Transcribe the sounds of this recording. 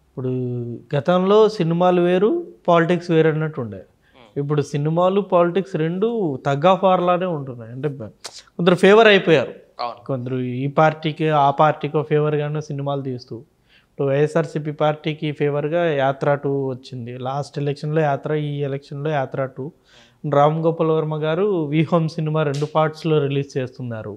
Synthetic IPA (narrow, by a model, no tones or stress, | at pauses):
ipːuɽuɡɐt̪ɐmlo̞ːsinimaːluʋe̞ːɾupaːliʈiksʋeːɾɐnːɐʈːuɳɖaːɾ | ip̬ːuɽusinimaːlupaːliʈiksɾe̞ɳɖut̪ɐɡaːfaːɾlaːne̞ːuɳʈunːajɐɳʈe̞ːkond̪ɐɾupʰeːʋɐɾɐjpɔːjaːɾu | kond̪ɐɾuiːpaːɾʈiːkiaːpaːɾʈiːkopʰeːʋɐɾɡaːneːsinimaːlut̪̬iːst̪uː | ɐpːoʋɐjesaːɾsip̬ipaːɾʈiːkipʰeːʋɐɾɡaːjaːt̪ɾaːʈuʋɐt͡ʃːind̪ilaːsʈelekʂɐnlo̞ːjaːt̪ɾɐiːɛlekʂɐnlo̞ːjaːt̪ɾaːʈu | ɾaːmɡɔːpːɐlɐʋɐɾmɐɡaːɾuʋiːɦoːmsinimaːɾe̞ɳɖupʰaːʈslo̞ːɾiliːst͡ʃeːst̪unːaːɾṵ